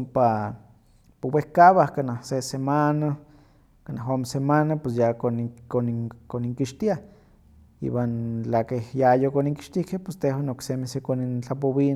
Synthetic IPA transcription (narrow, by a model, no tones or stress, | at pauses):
mpa | powehkaβahkanahsesemana | kanaɦomesemanapwes̬jakonkonikoniŋkiʃt̪ia | ḭwant͡ɬakehjajokoniŋki̥ʃt̪ihkehpest̪ehwanoksemihsekonint͡ɬap̬oβin